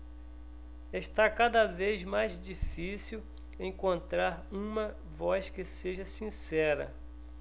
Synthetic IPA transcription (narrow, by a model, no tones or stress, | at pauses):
eʃt̪akad̪ɐvezmajzd͡ʒifisiw | ẽŋkõnt̪ɾaɾũmɐ | vɔskɪseʒɐsĩsɛɾɐ̰